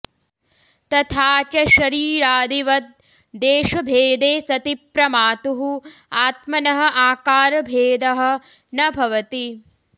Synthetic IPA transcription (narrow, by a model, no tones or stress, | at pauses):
t̪ɐt̪ʰaːt͡ʃɐʃɐɾiːɾaːd̪iʋɐt̪̚ | d̪eːʃɐbʱeːd̪eːsɐt̪ipɾɐmaːt̪uɦuaːt̪mɐnɐɦɐ̆ʔaːkaːɾɐbʱeːd̪ɐɦɐ̆ | nɐbʱɐʋɐt̪i